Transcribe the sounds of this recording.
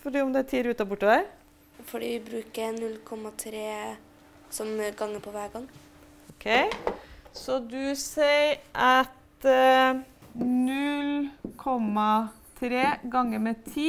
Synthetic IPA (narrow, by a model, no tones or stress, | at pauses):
fɔɖiːɔmd̪ɛt̪ʰiːɾʉːt̪ːɑbʊʈːəæɾ | fɔɖḭːʋɪbɾʉːkənʉlːkʰɔmːɑt̪ʰɾeː | sɔmɡɑŋːəpʰɔʋæːɾɡɑŋː | ɔkʰeɪsɔd̪ʉseɪəɾʔɑt̪ | nʉlkʰɔmɑ | t̪ʰɾeːɡɑŋːəmɛt̪ʰiː